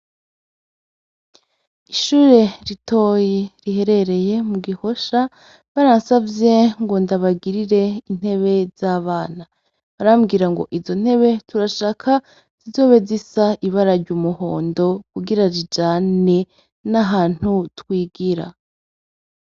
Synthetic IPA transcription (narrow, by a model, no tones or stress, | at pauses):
iʃuːɾe̞ɾito̞jeɾihe̞ɾe̞ɾe̞je̞muɡiho̞ʃa | βaɾansavje̞ŋɡo̞ndaβaɡiɾiɾe̞in̥he̞βe̞z̥aːβaːna | βaɾamɡiːɾaŋɡo̞̰ʔizo̞n̥he̞βe̞tuɾaʃaːkʰa | z̥izo̞ːβe̞zisaʔiβaɾaɾɟumuho̞̰ːndo̞kuɡiɾaɾid͡ʒaːne̞ | naɦaːn̥hutwiːɡiɾa̰